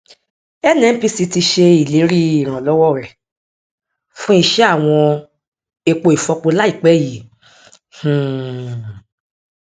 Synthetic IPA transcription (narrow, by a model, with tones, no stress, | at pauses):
ɛ˦˨nɛ̃˨˦n̩˦pi˧si˧ti˧ʃe˧i˨le˨˦ɾi˦i˨ɾ̃ã˨lɔ˦wɔ˦˨ɾɛ˨ | fũ˦i˧ʃɛ˦a˦˨w̃ɔ̃˧ | e˧k͡po˧i˨fɔ˧k͡po˧la˦i˦˨k͡pɛ˨˦˨ji˨ | hũ˨